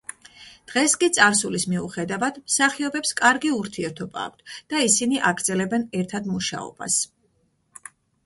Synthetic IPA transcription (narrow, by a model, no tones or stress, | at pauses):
d̪̥ʁɛskʼit̪sʼaɾsulismiuχɛd̪avad̪msaχiɔbɛpskʼaɾɡiuɾt̪ʰiɛɾt̪ʰɔba̰ːk̚ʰt̪ʰd̪̥aisiniʔaɡɾd̪zɛlɛbɛnɛɾt̪ʰad̪muʃa̰ɔ̰b̥a̰s